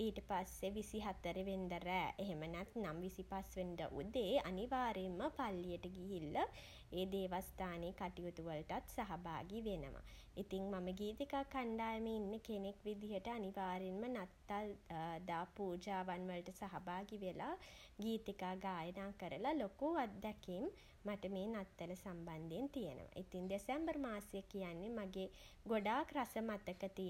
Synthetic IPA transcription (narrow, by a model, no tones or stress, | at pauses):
iːʈəpasːeʋisiɦat̪əɾeʋend̪əɾæːʔeɦemənɛt̪namʋisipasʋend̪ə̰ʔud̪eːaniʋaːɾemːəpalːijəʈəɡiɦilːə | eːd̪eːʋast̪aːneːkaʈiut̪uʋəlʈat̪saɦaba̰ːɡiʋenə̰ʋʔa̰ | it̪iŋmaməɡiːt̪ikaːkaɳɖaːjəməinːəkenekʋid̪ijəʈəaniʋaːɾenmənat̪ːald̪aːpuːd͡ʒaːʋanʋəlʈəsaɦabaːɡiʋela | ɡiːt̪ikaːɡaːjənaːkəɾəlalokuad̪ːɛkimː | aʈəmeːnat̪ːɐləsamband̪ent̪ijənə̰ʋa̰ʔit̪iŋd̪esɛmbəɾmaːsjəkijanːemaɡe | ɡoɖaːkɾasəmat̪əkət̪i